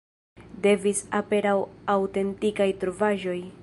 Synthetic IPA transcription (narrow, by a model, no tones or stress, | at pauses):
de̞visape̞ɾawawte̞ntikajtɾovaʒo̞j